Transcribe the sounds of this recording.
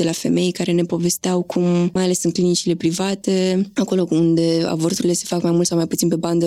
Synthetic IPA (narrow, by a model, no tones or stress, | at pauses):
d̪̥e̞lafe̞̰me̞jkaɾe̞ne̞po̞ve̞st̪eawkʰummajale̞sɨnklinit͡ʃile̞pɾivat̪e̞ako̞lo̞und̪e̞a̰bort̪uɾile̞se̞̥fakmajmult̪sawmajput̪sinpe̞band̪ə